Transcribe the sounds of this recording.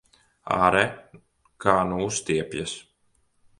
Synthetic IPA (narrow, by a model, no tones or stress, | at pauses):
a̰ɾɛ | kʰaːnust̪iɛpʲja̰s